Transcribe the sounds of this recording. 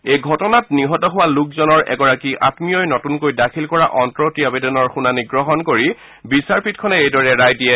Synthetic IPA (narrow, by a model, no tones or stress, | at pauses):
ejɡʱɔtɔnatniɦɔtɔɦʊwalukzɔnɔɹʔɛ̰ɡɔɹakiʔa̰tmiɔjnɔtunkojdakʰilkɔɹaʔɔntɹɔtiabedɔnɔɹxunaniɡɹɔɦɔnkoɹi | bisaɹpʰitkʰɔnɛejdɔɹɛɹajdiɛ